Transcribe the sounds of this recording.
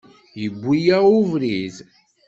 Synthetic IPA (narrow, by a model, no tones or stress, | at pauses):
jəbʷːijauvɾiz